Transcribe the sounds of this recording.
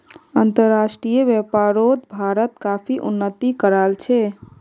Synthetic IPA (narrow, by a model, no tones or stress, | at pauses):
ənt̪əɾːasʈɾijəbjɛpaɾot̪bʱaɾət̪kapʰiʔṵnːət̪ikəɾalt͡ʃʰɛ